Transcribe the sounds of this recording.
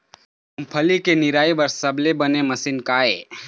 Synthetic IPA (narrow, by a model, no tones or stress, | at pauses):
ɦɐmpʰɐlikenɪɾaːibɐɾsɐblebɐnemɐsɪnkaːeː